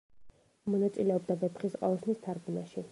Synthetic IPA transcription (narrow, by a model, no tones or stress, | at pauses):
mɔnat̪sʼilɛɔbd̪abɛpʰχisqʼɔ̰ɛsʰnist̪ʰaɾɡumaʃi